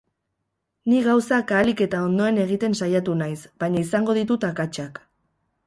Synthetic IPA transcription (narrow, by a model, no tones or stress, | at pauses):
niɣawsakaːlike̞t̪ao̞nd̪o̞e̞ne̞ɣ̞it̪e̞nsajat̪unajsbaɲaisaŋɡo̞ð̞it̪ut̪akat͡ʃak